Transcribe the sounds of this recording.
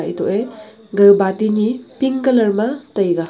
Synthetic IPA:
ʔitoʔe | ɡɐjbatinipiŋkɐlɐɾmɐtɐjɡɐ

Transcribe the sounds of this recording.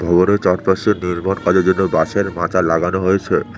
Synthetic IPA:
bʱɔbonet͡ɕɔɾpaseniɾbɔnkad͡ʑod͡ʑonːobaʃeɾmatalaɡanoɦojet͡ɕʰe

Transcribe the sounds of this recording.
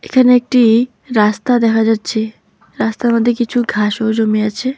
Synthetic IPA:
ekʰaneek̚ʈi | ɾast̪ad̪ɛkʰad͡ʒat͡ʃʰe | ɾast̪aməd̪ʱjekit͡ʃʰuɡʱaːʃod͡ʒomiat͡ʃʰe

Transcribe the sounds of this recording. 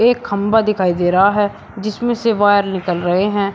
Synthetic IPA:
eːkʰːəmbaːd̪ɪkʰaːiːd̪eːɾəaːɦɛː | d͡ʒɪsmẽːseːʋaːjəɾnɪkəlɾəɦeːɦɛ̃ː

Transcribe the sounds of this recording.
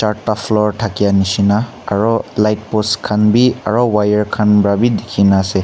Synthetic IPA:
t͡ʃaɹtafʰlɔɹtʰakijanisinaː | ɹɔlajt̚pɔskʰanbiaɹɔwajaɹkʰanbɹabidekʰinaːsɛ

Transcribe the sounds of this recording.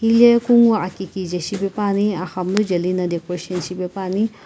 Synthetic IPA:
hilekuŋɡuakikid͡ʒɐʃibepaːniaxɐmlud͡ʒɐlinɐd̪ekɾoʃɐnsibepaːni

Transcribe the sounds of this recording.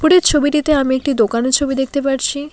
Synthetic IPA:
puɽɾeɾt͡ɕʰobiʈit̪eamiek̚ʈid̪okaneɾt͡ɕʰobid̪ek̚t̪epaɾt͡ɕʰi

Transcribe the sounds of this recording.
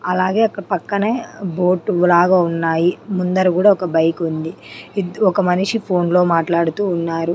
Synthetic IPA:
ɐlaːɡe̞ːɐkːɐɽɐpɐkːɐneːbo̞ːʈʋlaːɡaːunːaːjimund̪ɐɾukuːɽaːɔkɐbɐjkund̪i | id̪ɔkɐmɐniʂipʰo̞ːnlo̞ːmaːʈlaːɽut̪uːnːaːɾu

